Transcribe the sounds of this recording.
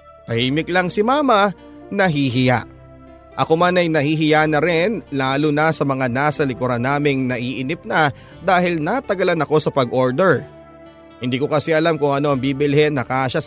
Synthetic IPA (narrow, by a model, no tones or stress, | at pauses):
t̪ɐhiːmɪklɐŋsɪmaːmɐ | nɐɦiːɦɪja̰ʔ | ʔɐkomanɐjnɐhiːɦɪjanɐɾɛnlaːlʊnɐsɐmɐŋanaːsɐlɪkʊɾanaːmɪŋnɐʔiːʔɪnɪp̚nɐ | d̪aːhɪlnɐt̪ɐɡɐlanɐko̞sɐpɐɡʔo̞ɹd̪ɛɹ | hɪnd̪iːkokɐsɛʔɐlamkʊŋʔɐno̞ʔɐŋbiːbɪlhɛnːɐkaːʃa